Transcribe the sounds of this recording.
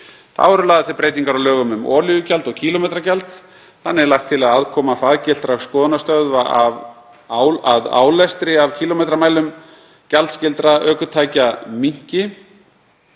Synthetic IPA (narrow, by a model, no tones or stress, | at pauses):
θa̰vɔɾʏlaːðɪt̪ɪlpɾeːjt̪iŋkaɾawlœːɣʏmʏmɔːlʏɣʏcalt̪ɔɣcʰiːlɔmejt̪ɾacalt̪ | θanːɪɛɾlajxt̪ʰɪlaðaðkʰɔːmafaðcɪl̥t̪ɾaɣskɔːðʏnast̪œðvaʔav | waða̰ːwlɛst̪ɾɪav̥cʰiːlomejt̪ɾamajlʏm | calt̪scɪlt̪ɾaʔœːkʏt̪ʰaːjcamiɲ̥cɪ